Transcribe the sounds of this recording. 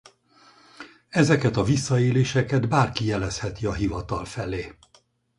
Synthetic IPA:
ɛzɛkɛt̪ɒvisːɒeːleːʃɛkɛd̪baːrkijɛlɛshɛt̪iɒɦivɒt̪ɒlfɛleː

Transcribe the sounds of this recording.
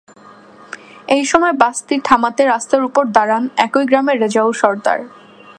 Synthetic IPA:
ejʃɔmɔebast̪iʈ̪ʰamat̪eɾast̪aɾupoɾd̪aɾanɛkojɡɾameɾed͡ʑawʃɔɾd̪a̰ɾ

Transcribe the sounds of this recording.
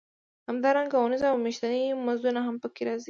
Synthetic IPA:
hamd̪ɑɾaŋɡaunizaːwmeʃt̪animazd̪unaɦampəkeɾɑzi

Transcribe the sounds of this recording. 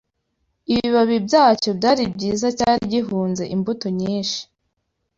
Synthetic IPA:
iβiβaβibɟaːt͡ʃo̞bɟaːɾibɟiːzacaːɾiɟiɦuːnze̞̰ʔimbutoɲiːnʃi̥

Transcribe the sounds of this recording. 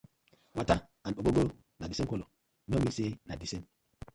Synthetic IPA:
wataaɓoɡoɡo | nadisekolo | nomisenadisen

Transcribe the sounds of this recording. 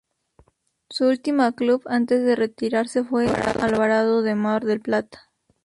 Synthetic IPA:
suult̪imakluβant̪e̞zðe̞re̞t̪iɾaɾse̞fwea̰ʔalβaɾaðoðe̞maɾðe̞lplat̪ḁ

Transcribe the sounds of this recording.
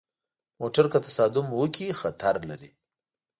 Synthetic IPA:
moʈaɾkat̪ḁsɑd̪ʊmwəkʰixat̪ʰaɾlaɾḭ

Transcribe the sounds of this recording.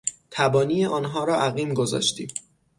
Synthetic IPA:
t̪ʰæbɒːniːjeʔɒːnɦɒːɾɒːʔæɣiːmɡo̞zɒ̰ːʃt̪ḭː

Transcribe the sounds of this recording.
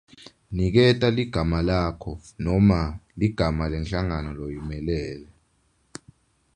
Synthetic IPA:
nik̬ɛtʼaliɡ̥ʱamalaːkʰɔnɔmaliɡ̥ʱamalɛnɬaŋanɔlojimɛlɛːlɛ

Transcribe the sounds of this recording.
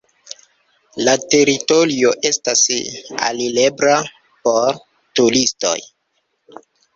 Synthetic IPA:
late̞ɾito̞ɾio̞ʔe̞stasa̰lilebɾa | po̞ɾ | tulisto̞̰j

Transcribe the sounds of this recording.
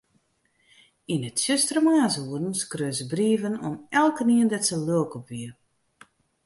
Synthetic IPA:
inətsøstrəmaːsuərn̩skrøːsəbriəvənɔmɛlˠkəniəndɛtsəløəkɔpʋiər

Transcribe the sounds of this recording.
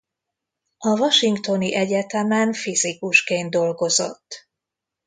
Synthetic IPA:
ɒvɒʃiŋkt̪o̞niʔɛɟɛt̪ɛmɛnfizikuʃkeːnd̪o̞lɡo̞zo̞̰t̪ː

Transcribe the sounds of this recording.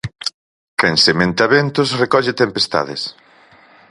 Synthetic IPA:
kensemẽnt̪ɐβent̪ʊsrekɔʎɪt̪empest̪a̰ðḛs

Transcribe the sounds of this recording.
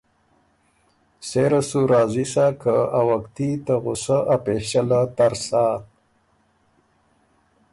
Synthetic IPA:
seɾasuɾaːzisakʰəawakt̪it̪aɣʊsəʔapeʃalat̪aɾsaː

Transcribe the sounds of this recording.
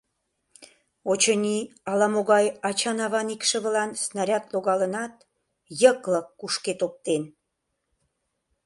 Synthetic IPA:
ot͡ɕənʲiɑlɑmoɣɑjɑt͡ɕɑnɑβɑnikʃə̆βəlɑnsnɑɾʲɑt̪loɣɑlənɑt̪ | jəkləkːuʃket̪op̚t̪en

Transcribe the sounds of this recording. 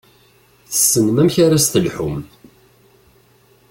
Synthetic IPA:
θə̥sːənmæmçaɾast̪əlħʊm

